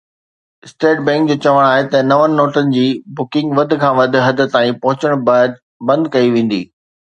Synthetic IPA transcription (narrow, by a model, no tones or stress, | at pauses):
ɪsʈeːʈ̚bɛ̃ːŋk̚d͡ʑoːt͡ɕɐʋəɽ̃aːɦet̪ɐnɐʋənɪ̆ːoːʈənɪ̆d͡ʑiːbʊkɪ̃ŋɡʋɐd̪̆ʱkʰãːʋɐd̪ʱɪ̆ɦɐd̪ʱə̆t̪ãːĩpɐɦʊt͡ɕəɽ̃ | bɐ̃nd̪kɐiʋẽːn̆d̪ḭː